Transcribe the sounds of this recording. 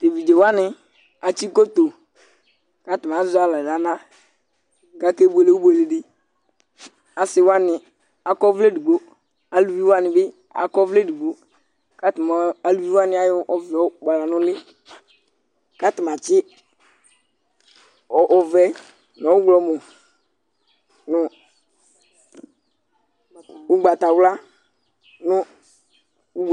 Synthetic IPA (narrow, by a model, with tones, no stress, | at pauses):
te˨vi˨d͡ʒe˨wa˦nɪ˨ | a˨t͡ʃi˦ko˦t̪o˨ | ka˦tɪ˨m˨a˨˦zʊ˦a˨la˨da˨˦na˦ | ɡa˦ke˦be˨le˦u˦bu˦e˨le˨dɪ˦ | a˨sɪ˦wa˦nɪ˨ | a˨kɔ˦vle˦di˨ɡ͡bo˦ | a˨lu˨vi˦wa˦nɪ˨bɪ˦ | a̰˨kɔ˦vle˦di˨ɡ͡bo˦ | ka˦tm˨a˨lu˨vi˦wa˦nɪ̃˨˦a˦jɔ˦ʔɔ˨vi˨ɔ˨ɡ͡ba˨la˨nʊ̃˦lɪ˦ | ka˦tɪ˨m˨a˨t͡ʃɪ˦ | ɔ˨ʔɔ˨vɛ˦ | n˨ɔ˨˦ʊ˦ɡlɔ˨mɔ˨ | nʊ˨ | u˦ɡ͡ba˨ta˨wla˦ | nʊ˦ | u˦